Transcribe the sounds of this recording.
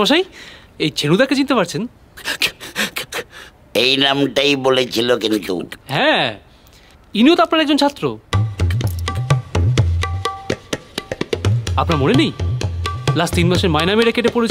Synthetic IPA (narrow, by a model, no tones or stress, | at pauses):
maʃaj | ejt͡ɕʰenud̪ɛkʰːet͡ɕint̪epaɾt͡ɕʰen | ejnamʈajbolet͡ɕʰilokint̪ṵɦɛ̃ | iniot̪oapnaɾɛɡd͡ʑont͡ɕʰat̪ːɾo̰ | apnaɾmonenej | last̪inmaʃeɾmajnameɾekeʈepoɾet͡ɕʰ